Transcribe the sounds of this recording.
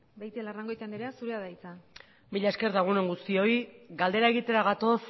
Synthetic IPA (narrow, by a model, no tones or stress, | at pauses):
bajt̪ilaraŋɡo̞jt̪aneɾeasuɾeaðajt͡sa | miʎaeske̞ɾðaɣ̞une̞ŋɡust̪io̞iɡald̪e̞ɾae̞ɣ̞it̪e̞ɾaɣat̪o̞s